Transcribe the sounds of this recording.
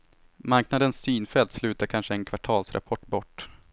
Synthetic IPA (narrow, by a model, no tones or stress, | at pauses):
maɾknad̪ənsːyːnfɛlt̪slʉ̟ːt̪aɾkʰanʂəɛnkʰvaʈʰɑːlsɾʔa̰pʰɔʈːbɔʈː